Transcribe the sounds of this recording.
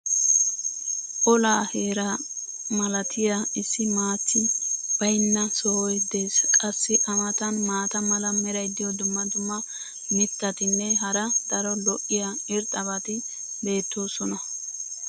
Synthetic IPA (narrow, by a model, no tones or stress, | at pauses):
ʔɔlaːhe̞ːɾɐ | mɐlɐt̪ʰɪjaɪsːɪmaːt͡sːɪb̥ɐjnːɐsɔwɔjd̪e̞ːskʼɐsːɪʔɐmɐt̪ɐnmaːt̪ɐmɐlɐmɛɾɐjd̪ɪjɔd̪ʊmːɐd̪ʊmːɐ | mɪt̪ːɐt̪ɪnːɛɦɐɾɐd̪̥ɐɾɔlɔʔːɪjaɪɾt̪ʼɐbɐt̪ɪ | be̞ːt̪ːo̞ːsɔnɐ